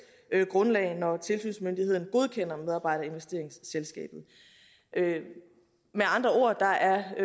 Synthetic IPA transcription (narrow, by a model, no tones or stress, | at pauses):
øɡ̥ʁɔ̽nlɛ̰ɪnɒt͡sʰe̝lsy̰ːnsmønd̥iheð̰ˠn̩ɡ̥o̝ð̞ˠkʰen̰ɐmeð̞ˠɑ̈ːb̥ɑ̈ɪ̰ɾɐe̝nʋesd̥e̝ɐ̰eŋsːelsɡ̥ɛ̰ːb̥ð̞̩ˠ | ʔø | meɑ̈nd̥ʁɐo̝ɐd̥ɑ̈ʔæɐ